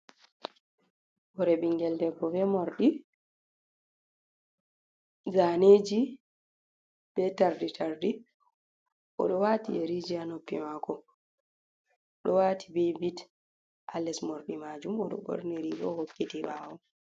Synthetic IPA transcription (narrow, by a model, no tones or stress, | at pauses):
bɔɾɛbiŋɡɛldɛɡɔbɛmoɾɗi | ɡaneːd͡ʒi | b̥ɛtaɾditʰaɾdi | ʔɔ̰ɗɔwatieɾid͡ʒianopːḭmakɔ | ɗɔwatʰibebit | ʔalɛsmoɾɗimad͡ʒumɔɗɔ̰ɓo̰ɾniɾiɡɔ̰hokːitimawɔ